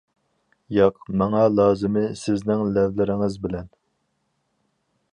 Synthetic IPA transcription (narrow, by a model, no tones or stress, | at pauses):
jɑqmɑŋɑlˠɑːzɨmɪsɪznɪŋlɛvlɪɾɪŋɪzbɪlɛn